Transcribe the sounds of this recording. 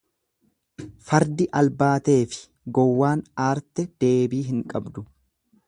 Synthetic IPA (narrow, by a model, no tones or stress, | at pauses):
fɐɾd̪ɪʔɐlbaːt̪e̞ːfɪ̥ | ɡɔwːaːnaːɾt̪ɛd̪̥e̞ːbiːɦɪŋkʼɐbd̪ʊ